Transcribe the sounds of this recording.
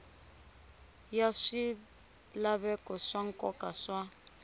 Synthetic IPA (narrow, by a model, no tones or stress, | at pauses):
jaʂi | laβɛkʼɔʂaŋ̩kʼɔkʼaʂwa